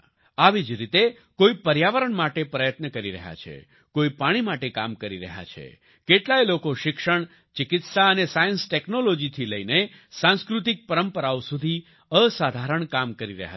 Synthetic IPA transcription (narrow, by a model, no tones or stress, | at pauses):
aʋid͡ʒɾit̪e | koipəɾjaʋəɾəɳmaʈepɾəjət̪nəkəɾiɾə̰ɦja̰t͡ʃʰḛ | koipaɽ̃imaʈekamkəɾiɾə̰ɦja̰t͡ʃʰḛ | keʈlajlokoʃɪkʂəɳ̃ | t͡ʃɪkɪt̪saənesajənsʈeknolod͡ʒit̪ʰiləine | sãnskɾut̪ik̚pəɾəmpəɾaosud̪ʱi | əsad̪ʱaɾəɳkamkəɾiɾə̰ɦa̰